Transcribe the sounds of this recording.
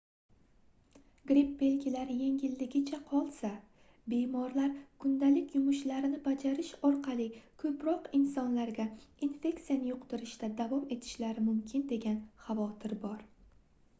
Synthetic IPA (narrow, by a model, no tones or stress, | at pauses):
ɡɾipːe̞lkʲʰilaɾje̞ŋʲɪlːɪɡʲɪt͡ʃʰaqʰɒlˠsa | be̞mɒɾlaɾkʰʊnd̪alɪkʲʰjʊmʊʃlaɾɪnɪbad͡ʒaɾɪʃɒɾqʰɑlˠɪkʰɵpɾɒqɪnsɒnlaɾɡʲainfe̞kt̪ijanɪjʊqt̪ɪɾɪʃt̪ad̪avɒme̞t̪ʰɪ̥ʃlaɾɪmʊmkʲʰɪnd̪e̞ɡʲanχavɒt̪ʰɪɾbɒɾ